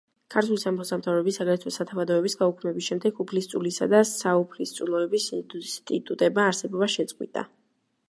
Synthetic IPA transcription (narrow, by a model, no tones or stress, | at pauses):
kʰaɾt̪ʰulisamχɔsamt̪ʰavɾɛbisːaɡaɾɛt̪ʰwɔsat̪ʰavad̪ɔɛbisɡaukʰmɛbisʃɛmd̪ɛɡupʰlist̪sʼulisa̰d̪asaupʰlist̪sʼulˠɔɛbist̪ʼḭt̪ʼut̪ʼɛbmaːɾsɛbɔbaʃɛt̪sʼqʼwḭt̪ʼa̰